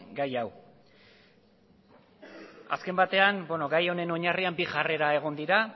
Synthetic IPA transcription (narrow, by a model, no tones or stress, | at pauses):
ɡajaw | a̰ske̞mbat̪e̞anbeno̞ɡajo̞ne̞no̞ɲariambiʝare̞ɾae̞ɣ̞o̞nd̪iɾa